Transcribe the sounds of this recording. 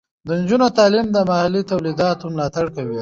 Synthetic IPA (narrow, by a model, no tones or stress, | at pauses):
d̪ənd͡ʒunot̪ɑːlimd̪əmahalːit̪awlid̪ɑt̪omlɑt̪aɽkawi